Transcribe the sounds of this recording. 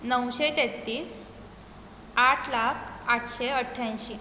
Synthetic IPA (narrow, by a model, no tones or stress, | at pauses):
nəwɕet̪et̪ːiːs | aʈʰlakʰaʈʰɕeəʈʰːjãj̃ɕi